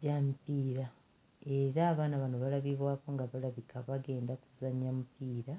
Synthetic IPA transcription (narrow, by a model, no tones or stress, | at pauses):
ɟamipiːɾa | e̞ɾaːβaːnaβanoβalaβiβwaːko̞ŋɡaβalaβikʰaβaɡe̞ːndakuzaɲamupiːɾa